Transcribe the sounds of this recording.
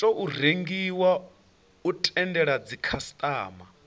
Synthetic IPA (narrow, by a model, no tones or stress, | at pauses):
tʼɔʔur̤eŋɡiwa | utʼɛndɛɺad͡zikʰast̪ʼaːma